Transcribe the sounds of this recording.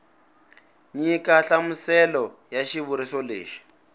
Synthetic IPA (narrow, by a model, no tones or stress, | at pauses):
ɲikaɬamusɛlɔ | jaʃiβuɾisɔlḛːʃi̥